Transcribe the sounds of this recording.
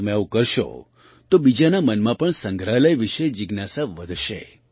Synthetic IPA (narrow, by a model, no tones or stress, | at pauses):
əmẽaʋukəɾʃo̰ | t̪obid͡ʒanamənmãpəɳsə̃ŋɡɾaləjʋiʃed͡ʒɪɡnasaʋəd̪ʱʃḛ